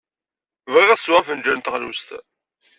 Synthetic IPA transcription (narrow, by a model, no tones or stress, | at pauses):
vʁiʁswæfənd͡ʒænt̪əʁlṵst̪